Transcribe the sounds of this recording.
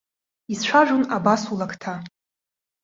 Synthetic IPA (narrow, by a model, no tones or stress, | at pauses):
isʃʷʰaʒʷᶣunabasulakʰtʰa